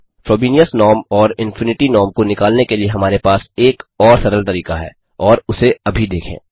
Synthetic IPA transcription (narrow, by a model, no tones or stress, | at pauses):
fɾoːbiːnijəsnɔːɾmɔːɾɪ̃nfʰʊnɪʈinɔːmkonɪkaːlnekelieɦɐmaːɾepaːseːkɔːɾsɐɾəlt̪ɐɾiːkaɦɛ̰ː | ɔːɾʊseɐbʱid̪eːkʰḛ̃ː